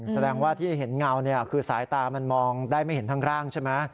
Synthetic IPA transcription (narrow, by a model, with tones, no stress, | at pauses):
sa˧dɛː˧ŋwaː˥˩t̪ʰiː˥˩ɦe˩˦nŋa˧wni˥˩ɐkʰɯː˧saː˩˦jt̪aː˧ma˧nmɔː˧ŋdaː˥˩jma˥˩jhe˩˦nt̪a˦˥ŋkʰɾaː˥˩ŋt͡ɕʰe˥˩ma˦˥